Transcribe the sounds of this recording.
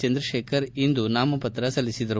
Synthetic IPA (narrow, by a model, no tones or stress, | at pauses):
t͡ʃɐnd̪ɾɐʃeːkʰɐɾind̪unaːmɐpɐt̪ɾɐsɐlːisid̪ɐɾu